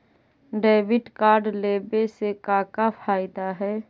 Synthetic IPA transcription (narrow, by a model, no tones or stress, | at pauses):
ɖeːbɪʈkaːɾɖleːbesekaːkapʰaːɪd̪aɦɛː